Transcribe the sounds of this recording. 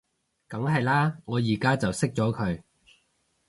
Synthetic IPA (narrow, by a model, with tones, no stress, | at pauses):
kɐ˨˥ŋɦɐ˨jlaː˥ŋɔː˨˧jiː˨˩kaː˥t͡sɐ˨wsɪ˥k̚t͡ʃɔː˨˥kʰɵ˨˧ɥ